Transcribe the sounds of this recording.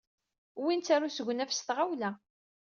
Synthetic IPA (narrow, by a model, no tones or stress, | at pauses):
wint͡sːæɾusəʝʷnæfst̪ʁawlæ